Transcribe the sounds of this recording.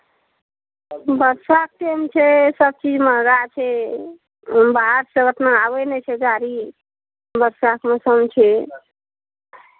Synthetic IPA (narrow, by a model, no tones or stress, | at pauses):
bəɾsak̚ʈemt͡ʃʰɛsəb̚t͡ʃid͡ʒməɾat͡ʃʰɛ | baɦəɾseət̪naaβenɛt͡ʃʰɛɡaɾi | bəɾsakmesəmt͡ʃʰɛ